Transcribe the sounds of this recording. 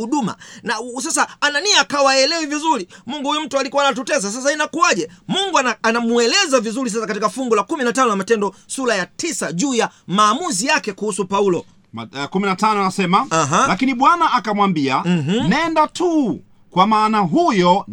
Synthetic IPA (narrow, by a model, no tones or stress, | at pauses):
uɗuma̰nas̬as̬aananiaːkawaɛlɛwivizuɾimuŋɡuhujum̩tualikuwanat̬utɛzas̬as̬ainakuaʄɛmuŋɡuaanamuɛlɛzavizuɾis̬as̬akatikafuŋɡulakuminatanɔjamatɛndɔsulajatisaʄuːjamaːmuzijakɛkuhusupaulɔ | kuminatanɔanasɛmaaɦalakiniɓwanaʔakamwambiam̩m̩nɛndatʰu | kwamaːnaɦujɔ